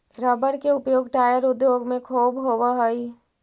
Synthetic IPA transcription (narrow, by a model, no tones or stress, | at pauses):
ɾəbəɾkeʊpjoːɡʈaːjəɾʊd̪joːɡmẽkʰoːbɦowaɦəi